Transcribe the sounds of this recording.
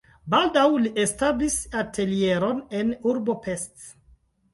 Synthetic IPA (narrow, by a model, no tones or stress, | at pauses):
baldawliʔestablisatʰe̞lie̞ɾonenuɾbo̞pest